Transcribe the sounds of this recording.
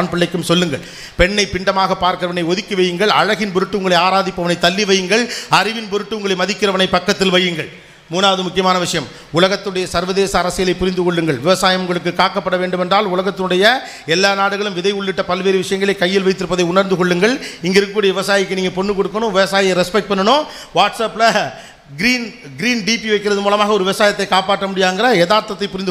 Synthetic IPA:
npɪɭːɐɪkːɯmsɔlːɯŋɡɐɭ | pɛɳːɐɪpɪɳɖɐmaːɣɐpːaːɾkɪɾɐʋɐnɐɪɔðɪkːɯʋɐjɯŋɡɐɭɐ̰ɻɐɣɪnpɔɾɯʈːɯʊŋɡɐɭɐɪaːɾaːðɪpːɐʋɐnɐɪt̪ːɐlːɪʋɐjɯŋɡɐɭɐrɪʋɪnpɔɾɯʈːɯʊŋɡɐɭɐɪmɐðɪkːɪɾɐʋɐnɐɪpːɐkːɐt̪ːɪlʋɐjɯŋɡɐɭ | muːnaːʋɐðɯmʊkːɪjɐmaːnɐʋɪʂɐjɐm | ʊlɐɣɐt̪ːɯɯɽɐjɐsɐɾʋɐðeːsɐːɾɐsɪjɐlɐɪpːʊɾɪnd̪ɯkɔɭːɯŋɡɐɭʋɪʋɐsaːjɐmʊŋɡɐɭɯkːɯkːaːkːɐpːɐɽɐʋeːɳɖɯmɛndraːlʊlɐɣɐt̪ːɪnɯɽɐjɐ | ɛlːaːnaːɽɯɣɐɭɯmʋɪðɐɪʊɭːɪʈːɐpɐlʋeːɾɯʋɪʂɐjɐŋɡɐɭɐɪkɐjːɪlʋɐɪt̪ːɯɾɯpːɐðɐɪʊnɐɾnd̪ɯkɔɭːɯŋɡɐɭɪŋɡɐɪɾɯkkuːɽɐjɐʋɪʋɐsaːjɪkːɯniːŋɡɐpɔnːɯkɔɽɯkːɐnʊ̃ːʋɪʋɐsaːjɐɾɛspɛk̚ʈ̚pɐɳːɐnoː | ʋaːʈsaːpːɪlɐ | ɡɪɾiːn | ɡɪɾiːnɖiːpiʋɐɪkːɪɾɐðɯmuːlɐmaːɣɐɔɾɯʋɪʋɐsaːjɐt̪̬ːɐɪkːaːpaːʈːɐmʊɽɪjaːŋɡɪɾɐɛðaːɾt̪ɐt̪ːɐɪpːʊɾɪnd̪ɯ

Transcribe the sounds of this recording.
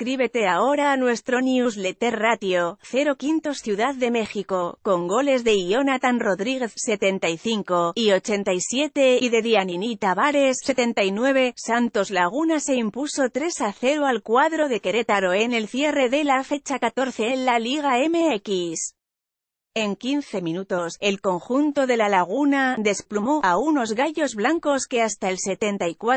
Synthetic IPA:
kɾiβe̞t̪e̞ao̞ɾaːnwe̞st̪ɾo̞niuzlet̪e̞rat̪jo̞θe̞ɾo̞kint̪o̞sθjuðaððe̞me̞xiko̞ko̞ŋɡo̞le̞zðe̞io̞nat̪anro̞ðɾiɣe̞θse̞t̪e̞nt̪aijθiŋko̞io̞t͡ʃe̞nt̪ajsje̞t̪e̞iðe̞ðianinit̪aβaɾe̞sse̞t̪e̞nt̪aijnwe̞β̞e̞sant̪o̞zlaɣ̞unase̞impuso̞t̪ɾe̞saθe̞ɾoalkwaðɾo̞ðe̞ke̞ɾe̞t̪aɾo̞e̞ne̞lθje̞re̞ðe̞lafe̞t͡ʃakat̪o̞ɾθe̞enlaliɣ̞ae̞meekis | e̞ŋkin̟θe̞mĩnut̪o̞se̞lko̞ŋxunt̪o̞ðe̞lalaɣ̞unad̪e̞splumo̞auno̞zɣaʝo̞zβlaŋko̞ske̞ast̪aelse̞t̪e̞nt̪aikwa

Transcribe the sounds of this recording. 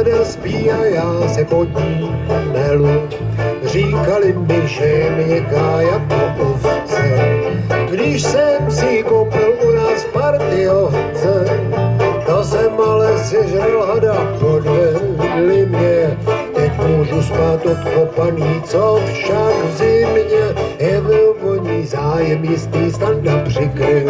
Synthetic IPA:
daspiːajaːsɛpodɲiːmnɛlucr̝iːkalɪmbɪʒɛmɪɛkaːjakopoft͡sɛ | ɡdɪʃsɛmsɪkopɪlunaːspaɾt̪ɪoft͡sɛ | t̪asɛmalɛsɪzɾɛlɦadakodɛuvɪɟɛlɪmɲɛt̪ɛcmuːʒust̪aːt̪ot̪kopaniːt͡sofʃakzɪmɲɛjɛvɛvoɲizaːjɛmjɪst̪iːst̪aknapr̥ɪkɾɪl

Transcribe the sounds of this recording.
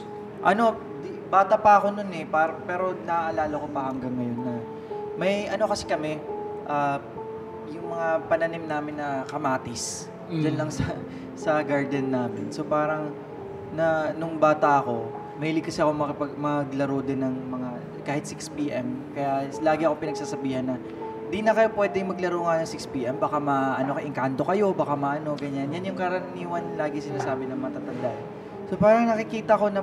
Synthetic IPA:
ʔɐno̞ | d̪ | baːt̪ɐpɐɐko̞nonɛpaɾɐpɛːɾo̞nɐʔɐlaːlɐko̞pɐhɐŋɡɐŋːɐjo̞nːɐ | mɐjʔɐno̞kɐsɛkɐmɛʔaː | jʊŋmɐŋapɐnɐnimnaːmɪnːɐkɐmaːt̪ɪs | d͡ʒɐnlɐŋsɐ | sɐɡaɹd̪ɛnːaːmɪnso̞paːɾɐŋ | nɐnʊŋbaːt̪ɐʔɐko̞ | mɐhiːlɪɡkɐsɛɐko̞mɐkɪpɐɡmɐɡlɐɾod̪ɪnːɐŋmɐŋa | kaːhɪt̪sikspiːʔɛmkɐjalaːɡɪʔɐkopɪnɐɡsaːsɐbiːhɐnːɐ | d̪inɐkɐjo̞pwɛːd̪ɛŋmɐɡlɐɾoŋɐnɐŋsɪkspiːʔɛmbaːkamɐʔɐnokɐʔɪŋkant̪o̞kɐjo̞baːkamɐʔɐno̞ɡɐɲanjanjʊŋkɐɾɐniːwɐnlaːɡɪsɪnaːsaːbɪnɐŋmɐŋat̪aːt̪ɐnd̪aʔn | so̞paːɾɐŋnɐkɪkiːt̪ɐɐko̞nɐ

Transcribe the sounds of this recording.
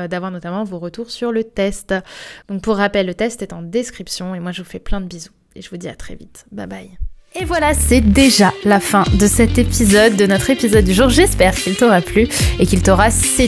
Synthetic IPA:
d̪avwaʁnɔt̪amɑ̃voʁət̪uʁsyʁlət̪ɛst̪d̪̥ɔ̃k̚puʁːapɛlːət̪ɛst̪ɛt̪ɑ̃d̪eskχipsjɔ̃emwaʒəvufɛplɛ̃d̪əbizu | ḛʒəvud̪iat̪χɛ̰vit̪ba̰baj | evwalasɛd̪eʒalafɛ̃d̪əsɛt̪epizɔd̪ːənɔt̪χepizɔd̪ːyʒuːʁʒɛspɛʁkʲilt̪ɔʁaplyekʲilt̪ɔʁase

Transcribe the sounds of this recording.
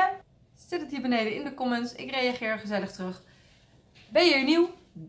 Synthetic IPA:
sɪtətɦiːɹbənejdəɪndəkɔmənsɪ̰krejaχɪːɹχəzɛləχtrɵχ | bɛjəiːɹniw

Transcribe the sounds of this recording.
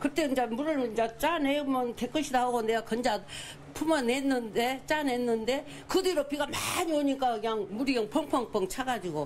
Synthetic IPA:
kɯt͈e̞ɯɲd͡ʑamuɾɯɭnd͡ʑat͡ɕ͈anemɯntek͈ɯɕʰidaɦaɡoneɡakʌnd͡ʑa | pʰumʌnenːɯnde̞t͡ɕ͈ane̞nːɯnde̞ | kɯdeɾopiɣamaɲioɲik͈akɯɲaŋmuɾiʌŋpʰʌŋpʰʌŋp͈ʌŋt͡ɕʰaɡad͡ʑiɡo

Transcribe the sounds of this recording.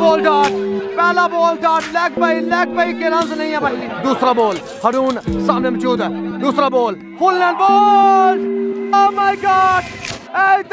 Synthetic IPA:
boːlʈaːʈpɛːlaːboːlʈaːɽlɛːk̚ʰpaːiːlɛːk̚pəiːkeːɾə̃nznəĩːɛ̃ːbaːiːd̪uːsɾaːboːl | həɾuːnsãːnẽːmt͡ʃuːd̪d̪uːsɾaːboːl | pʰʊlːɛ̃ːnɖboː | oːmaːiɡaːɖet̪

